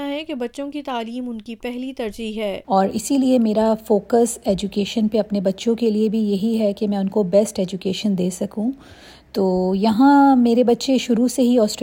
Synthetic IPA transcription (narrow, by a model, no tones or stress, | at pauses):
aɦɛkebɐtːʃõkit̪aːliːmʊnkipɛɦlit̪ɐɾd͡ʒiɦɦɛːɔːɾɪsiliemeːɾafoːkəsɛːd͡ʒukeːʃənpeɐpnebɐtːʃõkeliebʱijɐɦiɦɛkemɛ̃ːʊnkobɛsʈɛːd͡ʒʊkeːʃənd̪eːsɐkũ | t̪oːjɐɦãmeːɾebɐtːʃeʃʊɾuseɦiɔːsʈɾ